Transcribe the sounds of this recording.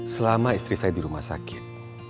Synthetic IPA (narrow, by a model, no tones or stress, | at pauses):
səlamaist̪ɾisajadiɾumahsakɪt̪̚